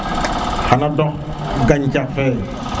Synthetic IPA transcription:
hanãɖɔ̃ | ɡaɲt͡ʃafɛ

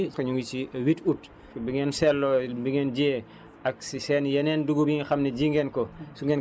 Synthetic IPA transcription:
xɐɲuwit͡ʃiwitut | fbiŋɛnsɛlːɔbiŋɛnɟɛː | ɐk̚sisɛːnjɐnɛːnduɡubiŋɡixɐmnɛɟiːŋɡɛnkɔsuŋɡɛn

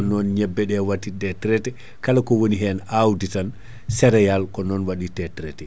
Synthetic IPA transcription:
nɔnɲɛbːɛɗɛwatːidɛtɾɛtɛ | kalakɔwoniɦɛnawditan | sɛɾɛjalkɔnɔnwaɗitɛtɾɛtɛ

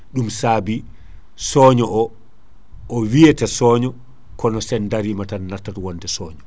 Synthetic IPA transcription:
ɗumsaːbi | sɔːɲɔʔɔ | ʔɔwijɛtɛsɔːɲɔ | kɔnɔsɛndaɾimatanːaɾtːatwɔntɛsɔːɲɔ

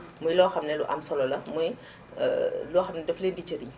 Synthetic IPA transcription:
mujlɔːxɐmnɛlṵʔɐ̰msɔlɔlɐmuj̰ | lɔːxɐmnɛdɐfleːndit͡ʃɐɾi

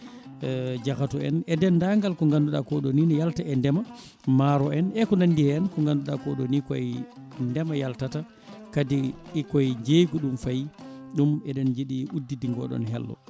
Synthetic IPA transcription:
d͡ʒakatɔɛ̰nɛdɛnːdaŋɡalkɔŋɡanduɗa̰kɔɗoninɛjaltaɛndɛma | maɾɔɛnɛkɔnandihɛɛnkɔŋɡanduɗakɔɗɔnikɔɛndɛmajaltata | kadiɛkɔɛd͡ʒejɡɔɗumfajɗumɛdɛnd͡ʒiɗiudːidiŋɡɔ̰ɗɔ̰nɦɛ̰lːɔ̰

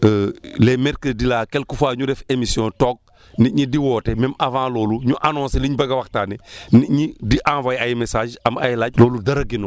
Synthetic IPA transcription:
əlɛmɛɾkədilaːkɛlkufaːɲudɛfemisjɔ̃tɔk̚ | niɲidiwɔːtɛmɛmavãːlɔːluɲuʔanɔ̃ːnseliɲbɐɡawaktaːnɛniɲidiʔãːvajajimesaːʒamajlaːɟ̚lɔːludɐɾɐɡino

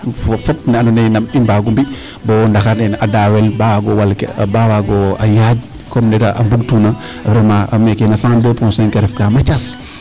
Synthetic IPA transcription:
ffɔt̚nɛananɛjnamimbaɡumbi | bɔndaxanɛnadaːwɛlbawaɡɔwalkɛ̰bawaɡɔa̰jad͡ʒ | kɔmnɛtaʔambuɡtuna | fɾɛmaamɛkɛnasãdəpɔ̃nsɛŋkɛɾɛfkamat͡ʃas

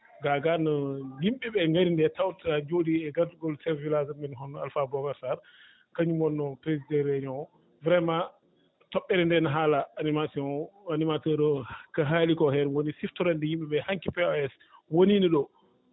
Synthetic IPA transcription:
ɡaɡanɔjimɓiɓɛŋɡaɾindɛtawtiad͡ʒodiɛɡatuɡɔlsɛɾvilazamɛnɦɔnːɔalfabɔɡaɾsaɾ | kaɲumɔnːɔpɾezidɛɾeɲɔ | vɾɛma | tɔɓːɛɾɛndɛnaɦaːlaːnimasɔanimatɔɾɔkaɦalikɔɦɛɾwonisiftɔɾandɛjimɓɛɓɛhaŋkipɛɔɛs | woniniɗɔ

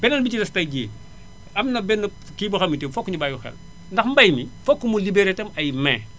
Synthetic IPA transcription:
bɛnɐlbit͡ʃilɐstɐjɟiː | ɐmnɐbɛnːu | kibɐxɐmːitemfokːuɲubaːjuxɛ̰l | ndɐxmbɐjmifokːumulibeɾetɐmɐjmɛː

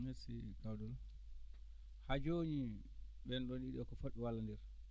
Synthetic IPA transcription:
mesiɡawdɔl | had͡ʒoːɲi | ɓɛnɗɔnɗiɗɔkɔfoɗiwalːandɛɾ

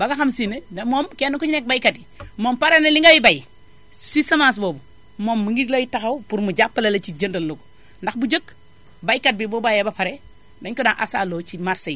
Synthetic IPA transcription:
baɡaxamsinedɐmomkenukuɲnek̚bajkatimompaɾeneliŋɡawibaj | sisɐmas̬bobu | momːuŋɡilajitaxawpuɾmud͡ʒapːalɐlɐt͡ʃid͡ʒəndɐlːoɡu | ndaxbud͡ʒək | bajkat̚bibobajebapaɾe | daɲkonaŋʔa̰sa̰lot͡ʃimaɾsej

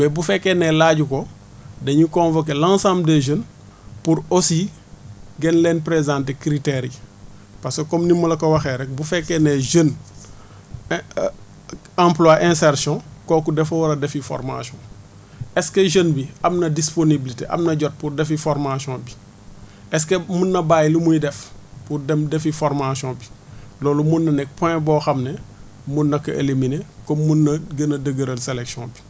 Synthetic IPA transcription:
bɛbufɛkːɛnɛlaːɟukɔ | dɐɲukɔ̃nvɔk̬elãsãːmbdeʒən | puɾosi | ɡɛnlɛːnpɾezãːntekɾiteɾi | pasekɔmnimːɐlɐkɔwɐxɛɾɛk̚bufɛkːɛnɛʒən | ãmplwaʔɛ̃ːsɛrsjɔ̃kɔːkudɛfɐwɐɾɐdɛfifɔ̰rma̰sjɔ̰̃ | ɛskeʒənbiɐmnɐdisponibilitḛʔɐ̰mnɐɟɔt̚purdɛfifɔɾmasjɔ̃ːbi | ɛs̬kemunːɐbajlimuɲdɛfpuddɛfifɔɾmasjɔ̃ːbilɔːlumunːɐnɛk̚pɛ̃bɔːxɐmnɛ | munːɐkɐʔḛliminekomunːɐɡənɐdəɡəɾəlseleksɔ̰̃bi̥

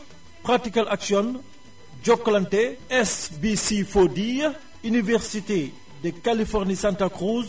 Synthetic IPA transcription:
pʁatikalʔaksjɔn | d͡ʒɔkɔlanteɛsbisifodij | ynivɛʁsite | dekalifɔʁnisãntakʁuz

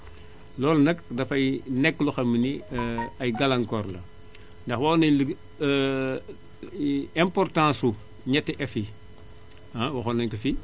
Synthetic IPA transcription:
lɔːlnɐkdɐfɐjnɛkːluxɐməniɐjɡɐlɐŋkɔrlɐ̰ | ndɐxwɐnɐl | ɛ̃mpɔrtãːsu | ɲɛtːiʔɛfi | awɐxonɐɲkɐfi

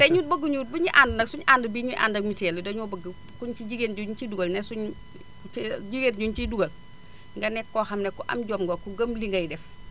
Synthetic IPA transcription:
teɲuːt̚bɐɡuɲuːt̚biɲiʔaːndnɐksuɲaːndɐbiːɲuʔa̰ːndɐmitɛlədɐɲubɐɡ | kuɲt͡ʃiɟiɡeːnɟuɲt͡ʃiduɡɐlnɛsuɲ | ɟiɡenɟuɲt͡ʃiduɡɐl | ŋɡɐnɛkːɔːhɐmnɛkːuʔɐ̰mɟoːmɡokuɡɐmliŋɡɐjdɛf

